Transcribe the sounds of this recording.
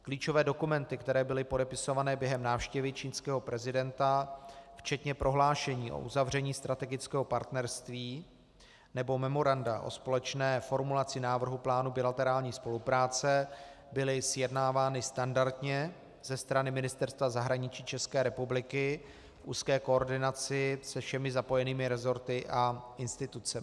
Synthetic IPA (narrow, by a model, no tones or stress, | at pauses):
kliːt͡ʃo̞vɛːdo̞kumɛnt̪ɪkt̪ɛɾɛːbɪlɪpodɛpɪso̞vanɛːbjɛɦɛmnaːfʃcɛvɪt͡ʃiːnskɛːɦo̞pɾɛzɪdɛnt̪aft͡ʃɛt̪ɲɛpɾʔo̞ɦlaːʃɛɲiːʔo̰ʔuzavr̝ɛɲiːst̪ɾat̪ɛɡɪt͡skɛːɦo̞paɾt̪nɛɾst̪viː | nɛbo̞mɛmo̞ɾandaʔo̞̰spo̞lɛt͡ʃnɛːfo̞ɾmulat͡sɪnaːvr̩ɦuplaːnubɪlat̪ɛɾaːlɲiːspo̞lupɾaːt͡sɛbɪlɪsjɛdnaːvaːnɪst̪andaɾt̪ɲɛ | z̥ɛst̪ɾanɪmɪnɪst̪ɛɾst̪vazaɦɾaɲɪt͡ʃiːt͡ʃɛskɛːɾɛpublɪkɪ | fʔṵːskɛːko̞ːɾdɪnat͡sɪsɛfʃɛmɪzapo̞jɛniːmɪɾɛzo̞ɾt̪ɪʔaʔɪnst̪ɪt̪ut͡sɛɪ